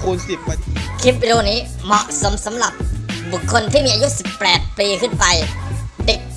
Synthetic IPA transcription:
kʰu˧nsi˨˩p̚ːkʰi˦˥p̚ːi˧ɾoː˧niː˦˥ | mɔ˨˧˩ʔso˩˦msa˩˦mɾa˨˩p̚bu˨˩kʰːo˧nt̪ʰiː˥˩miː˧a˧ju˦˥si˨˩pːɛː˨˩t̪̚piː˧kʰɯ˥˩npa˧jde˨˩k̚

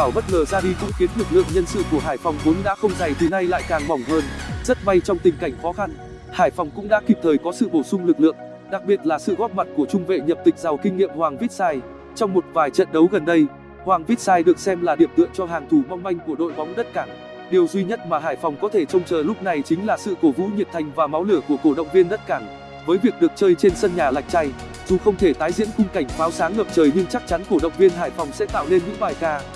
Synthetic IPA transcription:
ɓaː˧˩wɓə˦˥t̚ŋəː˨˩zaː˧ɗi˧kʊ̰˧˥ŋ͡mki˨˦nlɨ˨˩k̚lɨ̰˧˨əŋɲə˧nsɨ̰˧˨ku˧˩əɦaː˧˩jfɔ˧˩wŋ͡mvo˨˦nɗa̰ː˧˥xə˧wŋ͡mza˨˩jt̪ʰi˨˩na˧jla̰ː˧˨jkaː˨˩ŋmɔ˨˩wŋ͡mhəː˧nzə˦˥t̚ɓa˧jt͡ɕɔ˧wŋ͡mt̪ï˨˩ŋ̟ka˧˩jŋ̟fɔ˨˦xa˧n | haː˧˩jfɔ˨˩wŋ͡mkʊ̰˧˥ŋ͡mɗa̰ː˧˥ki˨˩p̚t̪ʰəː˨˩jkɔ˨˦sɨ̰˧˨ɓo˧˩sʊ˧ŋ͡mlɨ˨˩k̚lɨ̰˧˨əŋ | ɗa˨˩k̚ɓi˨˩ət̚laː˨˩sɨ̰˧˨ɣɔ˦˥t̚ma˨˩t̚ku˧˩ət͡ɕʊ˧ŋ͡mvḛ˧˨ɲə˨˩p̚t̪ï˨˩k̟̚za˨˩wkï˧ŋ̟ːḭ˧˨əmhwaː˨˩ŋvi˦˥t̚saː˧j | t͡ɕɔ˧wŋ͡mmo˨˩t̚vaː˨˩jt͡ɕə̰˧˨nɗə˨˦wɣə˨˩nɗə˧j | hwaː˨˩ŋvi˦˥t̚saː˧jɗɨ˨˩ək̚sɛ˧mlaː˨˩ɗi˧˩əmt̪ɨ̰˧˨əŋt͡ɕɔ˧ɦaː˨˩ŋt̪ʰu˧˩ma˧wŋ͡mma˧jŋ̟ku˧˩əɗo̰˧˨jɓɔ˨˦ŋ͡mɗə˦˥t̚kaː˧˩ŋ | ɗi˨˩əwzwi˧ɲə˦˥t̚maː˨˩ɦaː˧˩jfɔ˨˩wŋ͡mkɔ˨˦t̪ʰe˧˩t͡ɕə˧wŋ͡mt͡ɕəː˨˩lʊ˦˥p̚na˨˩jt͡ɕï˨˦ŋ̟laː˨˩sɨ̰˧˨ko˧˩vṵ˧˥ɲi˨˩p̚t̪ʰa˨˩jŋ̟vaː˨˩ma˨˦wlɨ˧˩əku˧˩əko˧˩əɗə̰˧˨wŋ͡mvi˧ənɗə˦˥t̚kaː˧˩ŋ | vəː˨˦jvi˨˩ək̚ɗɨ˨˩ək̚t͡ɕəː˧jt͡ɕe˧nsə˧nɲaː˨˩la̰˨˩jk̟̚t͡ɕa˧j | zu˨˩xə˧wŋ͡mt̪ʰe˧˩t̪aː˨˦jzḭ˧˥ənkʊ˧ŋ͡mka˧˩jŋ̟faː˨˦wsaː˨˦ŋhəː˨˩p̚t͡ɕəː˨˩jɲɨ˧əŋt͡ɕa˦˥k̚t͡ɕa˨˦nku˧˩əɗə̰˧˨wŋ͡mvi˧ənɦaː˧˩jfɔ˨˩wŋ͡msɛ̰˧˥t̪a̰ː˧˨wle˧nɲɨ̰˧˥ŋɓaː˨˩jkaː˧

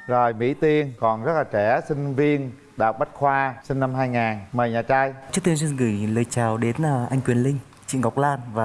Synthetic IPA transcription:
zo˨˩jmḭ˧˥t̪i˧ənkɔ˨˩nzə˦˥t̚laː˨˩t͡ɕɛ˧˩sï˧ŋ̟vi˧ən | ɗaː˨˩wk͡p̚ɓa˦˥t̚xwaː˧sï˧ŋna˧mɦaː˧jŋaː˨˩nməː˨˩jɲaː˨˩t͡ɕaː˧jt͡ɕɨ˦˥t̪i˧ns̬wi˧nɣɨ˧˩jləː˨˩jt͡ɕaː˨˩wɗe˨˦nʔʔa˧jŋkwi˨˩ənlï˧ŋ̟ | t͡ɕḭ˧˨ŋɣa˨˩wk͡p̚laː˧nvaː˨˩

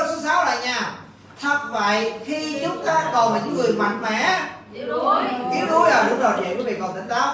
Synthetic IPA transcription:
sɨ˨˧˦ŋsaː˨˦wla̰ː˧˨ɲaː˧˩ | t̪ʰə˨˩t̚və̰˧˨jxi˧t͡ɕʊ˨˦ŋ͡mt̪aː˧kə˨˩wmaː˨˩ɲɨ̰˧˥ŋɨ˨˩əjma˨˩jŋ̚mɛ˧˩ | t̪i˨˦əwt̪u˨˦jʔaː˨˩ɗʊ̰˨˧˦ŋ͡mɗɔ˨˩t͡ɕḛ˧˨vəː˨˦jɓḭ˧˨nkə˨˩wt̪ŋ̟t̪aː˨˦˥w̚

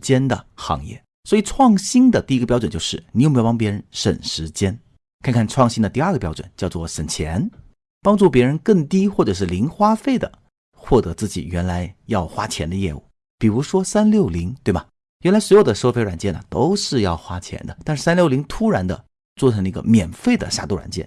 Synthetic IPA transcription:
t͡ɕjɛ˥nd̪ə˨xɑ̰˧˥ŋjɛ̰˥˩ | swɔ˧˥i˨˩ʈ͡ʂʰwɑ˥˩ŋɕi˥ŋd̪ə˨t̪i˥˩˧ɡə˧pjɑ˥ʊʈ͡ʂwnt͡ɕjo˥˧ʂɻ̩˥˩ni˨˩jpɑ˥pjɛ˧˥ɻə˧˥˦nʂə̰˨˩nʂɻ̩˧˥t͡ɕjɛ˥n | kʰnkʰa˥˩nʈ͡ʂʰwɑ˥˩ŋɕi˥ŋd̪ə˨˧t̪i˥˧ɐ˞˥˩ɡə˩pjɑ˥ʊʈ͡ʂwə̰˨˩nt͡ɕjʊt͡swɔ˥˩ʂə˨˩nt͡ɕʰjɛ̰˧˥n | pɑ˥ŋʈ͡ʂu˥˩p̬jɛ˧˥ɻə˧˥nkɤ˥˩ŋt̪i˥xwɔ˥˩ʈ͡ʂɤ˨˩ʂ̬ɻ̩˥˩li˧˥ŋxwa˥fe˥˩ɪd̪ə̰˩ | xwɔ˥˩t̪ɤ˧˥t͡sɹ̩˥˩t͡ɕḭ˨˩ɥɛ˧˥nla˧˥ɪjɑ˥˩ʊxwa˥t͡ɕʰjɛ˧˥nd̪ə˧jɛ̰˥˧ṵ˥˩ | pi˨˩ɻu˧˥ʂwɔ˥sa˥nljo˥˩ʊli˧˥ŋt̪we˥˩ɪbɐ˨˩ | ɥɛ˧˥nla˧˥ɪswjo˨˩ə˦ʂɤ˥fe˧˥ɪɻa˨˩nt͡ɕjɛ˥˩nə̰˩t̪o˥ʊʂɻ̩˥˧jɑ˥˩ʊxwa˥t͡ɕʰjɛ̰˧˥nd̪ə˧t̪a˥˧nʂɻ̩˥˩s̬a˥nljo˥˩ʊli˧˥ŋt̪ʰu˥ɻa˧˥nd̪ə̰˧ | t͡swɔ˥˩ʈ͡ʂʰɤ˧˥ŋi˧˥ɡə̰˧mjɛ˨˩nfe˥˩ɪd̪ə̰˩ɕja˥˩t̪u˥˩ɻa̰˨˩nt͡ɕjɛ̰˥˩n

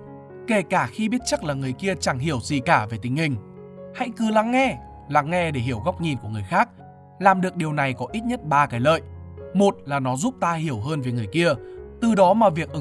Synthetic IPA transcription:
ke˧˩kaː˧˩xi˧ɓi˦˥ət̚t͡ɕə˦˥k̚laː˨˩ŋɨ˨˩əjki˧ət͡ɕa˧˩ŋɦi˧˩əwzi˨˩kaː˧˩ve˨˩t̪ï˨˦ŋ̟hï˨˩ŋ̟ | ha̰˧˥jkɨ˨˩la˨˦ŋːɛ˧ | la˨˩ŋːɛ˧ɗe˧˩ɦi˧˩əwɣa˦˥wk͡p̚ɲi˨˩n̚ku˧˩əŋɨ˨˩əjxaː˦˥k̚ | laː˨˩mɗɨ˨˩ək̚ɗi˨˩əwna˨˩jkɔ˨˦ʔi˦˥t̚ɲə˦˥t̚ɓaː˧kaː˨˦jlə̰ː˧˨jmo˨˩t̚laː˨˩nɔ˨˦zu˦˥p̚t̪aː˧hi˧˩əwɦəː˧nve˨˩ŋɨ˨˩əjki˧ət̪ɨ˨˩ɗɔ˨˦maː˨˩vi˨˩ək̚ʔ

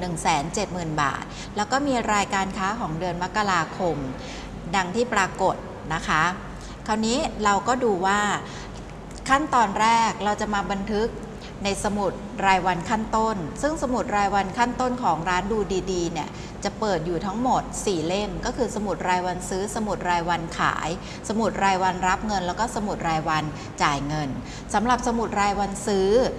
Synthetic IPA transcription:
nɯ˨˩ŋsɛː˩˦nt͡ɕe˨˩t̪̚mɯː˨˩nba̰ː˨˩t̪̚ | lɛː˦˥wkɔː˥˩miː˧ɾaː˧jkaː˧nkʰaː˦˥kʰɔː˩˦ŋdɯ˧ənma˦˥kːa˧ɾaː˧kʰo˧m | da˧ŋt̪ʰiː˥˩pɾaː˧ko˨˩t̪̚ | na˦˥kʰa˦˥ | kʰa˧˩wniː˦˥ɾa˧wkɔː˥˩duː˧waː˥˩ | kʰa˥˩nt̪ɔː˧nɾɛː˥˩k̚ɾa˧wt͡ɕa˨˩ʔmaː˧ba˧nt̪ʰɯ˦˥k̚ | na˧jsa˧mu˨˩t̪̚ɾaː˧jwa˧nkʰa˥˩nt̪o˥˩nsɯ˥˩ŋsa˧mu˨˩t̪̚ɾaː˧jwa˧nkʰa˥˩nt̪o˥˩nkʰɔː˩˦ŋɾaː˦˥nduː˧diː˧diː˧ni˦˩ɐ | t͡ɕa˨˩ʔpɤː˨˩t̪̚juː˨˩t̪ʰa˦˥ŋmo˨˩t̪̚siː˨˩le˥˩mkɔː˥˩kʰɯː˧sa˧mu˨˩t̪̚ɾaː˧jwa˧nsɯː˦˥sa˧mu˨˩t̪̚ɾaː˧jwa˧nkʰa̰ː˩˦j | sa˧mu˨˩t̪̚ɾaː˧jwa˧nɾa˦˥p̚ŋɤ˧nlɛː˦˥wkɔː˥˩sa˧mu˨˩t̪̚ɾaː˧jwa˧n | t͡ɕaː˨˩jŋɤ˧n | sa˩˦mɾa˨˩p̚sa˧mu˨˩t̪̚ɾaː˧jwa˧nsɯː˦˥

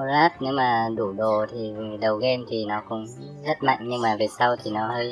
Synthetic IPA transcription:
laː˦˥t̚ne˨˦wmaː˨˩ɗu˧˩ɗo˨˩t̪ʰi˨˩˨ɗə˨˩wɣe˧nt̪ʰi˨˩nɔ˨˦kʊ̰˧˩˨ŋ͡m | t̪ʰə˦˥t̚ma̰˧˨jŋ̟ɲɨ˧ŋmaː˨˩ve˨˩nsa˧wt̪ʰi˨˩nɔ˨˦həː˧j

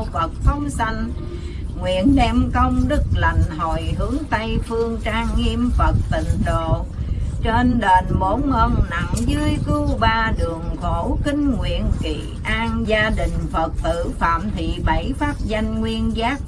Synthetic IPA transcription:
fə˨˩t̚t̪ʰə˧˦wŋ͡msa˧jŋ̟ | ŋwḭ˧˨ənɗɛ˧mkə˧wŋ͡mɗɨ˦˥k̚la˨˩jŋ̟ɦo˨˩jɦɨ˨˦əŋt̪ə˧jfɨ˧əŋt͡ɕaː˧ŋːi˧mfə˨˩t̚t̪ḭ̈˧˨ŋ̟t̪o˧˨t͡ɕe˧nɗe˨˩nmo˧˦nhə˧nna˨˥ŋzɨ˧əjkɨ˧ɓaː˧ɗɨ˨˩əŋko˧˩˦kï˧ŋ̟ŋwḭ˧˨ənkḭ˧˨˩ | ʔaː˧nzaː˧ɗï˨˩ŋ̟fə˨˩t̚t̪ɨ̰˧˩fa̰ː˧˨mt̪ʰḭ˧˨ɓə˧˩jfaː˦˥p̚za˧jŋ̟ŋwi˧ənzaː˦˥k̚

